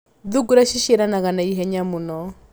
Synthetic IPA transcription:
ðuɡuɾaʃiʃɛɾanaɣanaiɦɛɲamunɔ

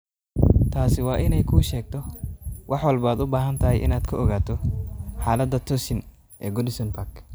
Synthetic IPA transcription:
t̪ʰaːsɪwɑːʔɪnɛjkʰuːʃɛːɡ̚t̪ʰɔwʔɑħwɑlbaːd̪ʊbaːɦɐnt̪ʰɐɦɛjʔɪ̰naːd̪̥kʰɐɔɣaːt̪ʰɔħaːlɐd̪ːɐt̪ʰɔsɪn | ʔɛ̰ːɡɔd̪ɪsɐnpʰak

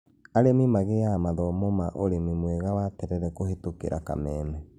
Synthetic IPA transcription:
aɾemimaɣejamaðɔmomaʔoɾemimweɣawatɛɾɛɾɛkohetokḛɾʔa̰ka̰mɛːmɛ

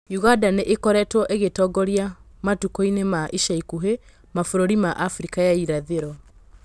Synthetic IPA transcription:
juɣadaneʔekɔɾɛtwɔʔeɣetɔɡɔɾjamatukoinemaʔiʃaikuɦe | mafoɾoɾimaʔafɾikajaiɾaðeɾwɔ

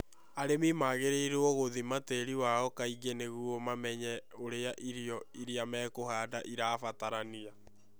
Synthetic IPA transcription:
aɾemimaɣeɾeiɾoɔɣoðimateɾiwaɔkaiɡeneɣuɔmamɛɲɛoɾeaʔiɾiɔiɾiamɛːkoɦaːdaʔiɾaːfataɾania

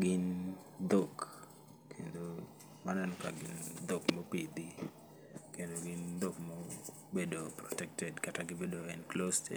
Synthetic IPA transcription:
ɡɪn | d̪ok | kʰendo | manɛnɔka̰ɡɪnd̪okmɔpid̪i | kendoɡɪnd̪okmɔ | bedopɾɔtɛk̚tɛdkataɡɪbedoɛnklostɛ̰

